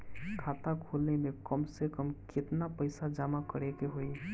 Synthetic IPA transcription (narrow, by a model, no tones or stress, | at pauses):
kʰaːt̪akʰoːlnemẽkəmsekəmkɪt̪napəɪsad͡ʒaːmakəɾekeɦoi